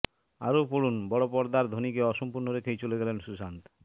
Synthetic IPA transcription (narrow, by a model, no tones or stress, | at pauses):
a̰ɾopoɽunbɔɽopɔɾd̪aɾd̪ʱonikeɔʃɔmpuɾnoɾekʰejt͡ɕoleɡɛlenʃusant̪